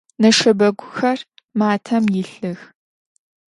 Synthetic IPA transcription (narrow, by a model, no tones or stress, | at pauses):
nɐʂɐbɐɡʷʊxɐr | maːtʰɐmjɪɬɨx